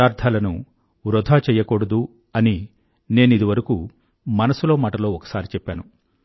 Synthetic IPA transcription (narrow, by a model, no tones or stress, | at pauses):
aːɾt̪ʰaːlɐnu | ʋɾɔd̪ʱaːt͡ʃɛːjɐkoɽɐd̪u | ɐni | ne̞ːnid̪iʋɐɾɐku | mɐnɐsulo̞ːmaːʈɐlo̞ːɔkɐ̥saːɾit͡ʃɛpːaːnu